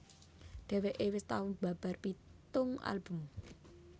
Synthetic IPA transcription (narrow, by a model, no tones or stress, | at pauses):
ɖ̪̥ɛ̤weʔewɪst̪aʊnb̥a̤b̥a̤rpit̪ʊŋʔa̰lb̥ʊ̤m